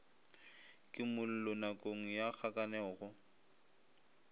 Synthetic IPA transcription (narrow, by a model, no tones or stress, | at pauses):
kʼɪmʊl̩lʊnakʼoŋ̩jak͡xʰakʼanɛɣʊ